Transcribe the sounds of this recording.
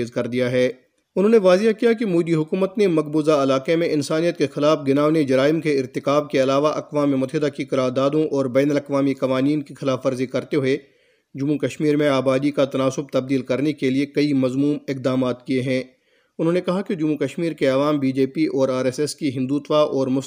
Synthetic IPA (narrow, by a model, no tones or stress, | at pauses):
zkɐɾd̪ijaɦɛː | ʊnɦõːneʋaːzɪakijakemuːd̪iɦʊkuːmət̪nemɐk̚buːzaɐlaːqemẽʔɪnsaːnijət̪̚kexɪlaːfɡɪnaːʊned͡ʒɐɾaːɪmkeɪɾt̪ɪkaːb̚keɐlaːʋaʔɐqʋaːmimʊt̪əɦɪd̪akiqɐɾaːɾd̪aːd̪õʔɔːɾbɛːnəlɐqʋaːmikɐʋaːniːnkixɪlaːfɐɾzikɐɾt̪eɦʊe | d͡ʒʊmːukɐʃmiːɾmẽaːbaːd̪ikat̪ɐnaːsʊb̚t̪ɐb̚d̪iːlkɐɾnekeliekɐimɐzmuːmɪq̚d̪aːmaːt̪kieɦɛ̃ː | ʊnɦõːnekɐɦaked͡ʒʊmːukɐʃmiːɾkeɐʋaːmbiːd͡ʒeːpiʔɔːɾaːɾɛːsɛskiɦɪ̃nd̪uːt̪ʋaʔɔːɾmʊs